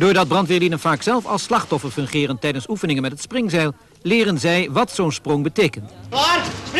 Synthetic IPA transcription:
dʊːɹdɑd̚brɑntʋɪːɹlinənvaːksɛlˠfɑlˠslɑχtɔfəɹfɵŋχɪːrəntɛjdənsufənɪŋənmɛtɦətsprɪŋzɛjlˠ | lɪːrənzɛjʋɑtsownsprɔŋbətejkənt

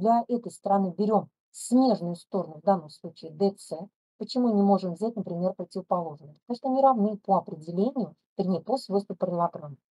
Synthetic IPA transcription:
d̪lʲɐʔɛt̪əjst̪ɾɐnɨbʲɪɾʲo̞m | sʲmʲe̞ʐnʊjʊst̪o̞ɾənʊvd̪anːəmslˠut͡ɕɪːd̪ɛt̪sɛ | pət͡ɕɪmunʲɪmo̞ʐɨmvzʲætʲnəpɾʲɪmʲerpɾətʲɪvəpɐlˠo̞ʐnəamuʂt̪oamʲɨɾɐvnɨpoɐpɾʲɪdʲɪlʲenʲɪjʊ | vɪɾʲnʲejposvojst̪vʲəpɾəɪlˠɐɡɾon

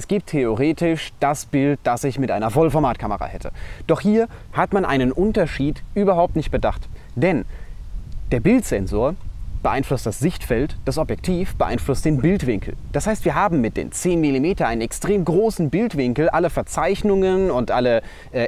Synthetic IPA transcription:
ʔɛsɡ̥iːp̚tʰːeoʁeːtɪʃd̥asb̥ɪlt̚d̥asɪçmɪtʔaɪnɐfɔlfɔɐmaːtkʰaməʁa̰ːhɛtʰə̰d̥ɔχhiːɐ | hatmanʔa̰ɪnənʔʊntɐʃiːtʔyːbɐɦaʊp̚tnɪçt̚b̥ədaχt | d̥ɛn | d̥eːɐbɪltz̥ɛnzoːɐb̥əʔaɪnflʊst̚d̥asz̥ɪçtfɛltd̥asʔɔpjɛk̚tʰiːfb̥əʔaɪnflʊst̚d̥eːnbɪltv̥ɪŋkl̩d̥ashaɪstv̥iːɐɦaːbm̩mɪt̚d̥ḛːnt͡seːnmilimeːtɐnʔaɪnənɛkstʁ̥eːmɡʁoːsn̩bɪltv̥ɪŋkl̩ʔaləfɛɐt͡saɪçnʊŋənʊntʔalə | ʔɛː

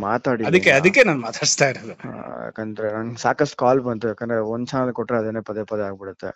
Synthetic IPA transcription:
maːt̪aːɽɪɐðɯkkːeɐðɯkːeːnaːnmaːt̪ʰaːɽɪst̪aːjɪɾɐðɯ̰kɐnd̪ɾɐɐnsaːkɐsʈkaːlpɐnt̪ɯkːɐnɐɔnt͡ʃaːnlkɔʈːɾɐɐðɛnːepɐðepɐðaːɣɐpːɐɽɯt̪ːɯ̰

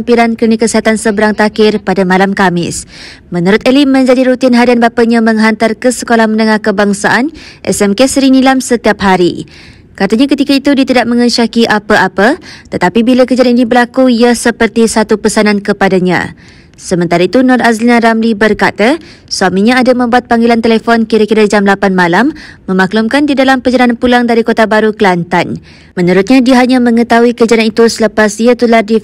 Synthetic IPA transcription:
ampiɾankəɾənikəsiɦat̪ansəbəɾaŋt̪akɪrpadamãlamkamɪ̰s | mə̃nuɾʊt̪ɛlimə̃ɲd͡ʒadiɾut̪inɦadanbapəɲãmə̃ŋɦant̪arkəsəkolahmə̃nəŋahkəbaŋsaʔanʔɛ̰sɛmkesəɾinilamsət̪iap̚ɦaɾḭ | kat̪aɲãkət̪ikait̪udit̪idaʔ̚mə̃ŋəʃakiʔapəʔapət̪ət̪apibilakəd͡ʒianinibəlakuiasəpərt̪isat̪upəsanankəpadaɲã̰ | səmə̃nt̪aɾait̪unɔrazlinãɾamlibərkat̪a | suamĩɲãːdamə̃mbuat̪̚paŋɡelant̪elefɔnkiɾakiɾad͡ʒamlapanmãlamːə̃maklumkandidalampəd͡ʒalananpulaŋdaɾikot̪abaɾukəlant̪an | mə̃nuɾʊt̪̚ɲãdiaɦaɲãmə̃ŋə̃t̪auikəd͡ʒananit̪usələpasiat̪ulardi

